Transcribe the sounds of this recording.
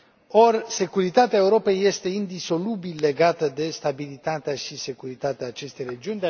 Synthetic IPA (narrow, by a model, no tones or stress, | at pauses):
o̞rse̞kuɾit̪at̪eaeuɾo̞pejje̞st̪e̞ind̪iso̞lubilːe̞ɡat̪əd̪e̞st̪abilit̪at̪eaʃise̞kuɾit̪at̪eaːt͡ʃe̞st̪e̞jre̞d͡ʒiunʲd̪